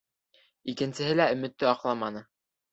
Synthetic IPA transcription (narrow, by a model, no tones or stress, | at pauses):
ikɘ̆nsɘ̆ɦɘlæɵ̆mɘ̆t̪ːɘɑqlˠɑmɑnɤ